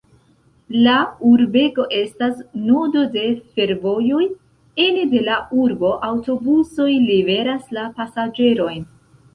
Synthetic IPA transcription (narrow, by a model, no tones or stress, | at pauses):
lauɾbe̞ɡo̞ʔe̞stasnodo̞de̞fe̞ɾvo̞jo̞j | enede̞laʔuɾbo̞ʔawto̞buso̞jlibe̞ɾaslapasad͡ʒe̞ɾo̞jn